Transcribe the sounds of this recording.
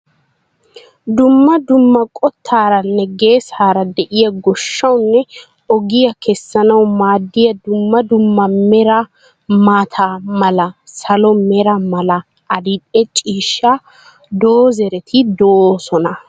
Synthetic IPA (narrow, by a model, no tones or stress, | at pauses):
d̪ʊmːɐd̪ʊmːɐkʼɔt̪ʰːaːɾɐnːɛɡe̞ːsaːɾɐd̪ɛʔɪjɐɡɔʃːɐwnːɛ | ɔɡɪjɐkʰɛsːɐnɐwmaːd̪ːɪjɐd̪ʊmːɐd̪ʊmːɐmɛɾɐ | maːt̪ʰaːmɐlɐsɐlɔmɛɾɐmɐlɐ | ʔɐd̪ɪᶑʼɛt͡ʃʼiːʃːa | d̪oːzɛɾɛt̪ʰɪd̪osɔnɐ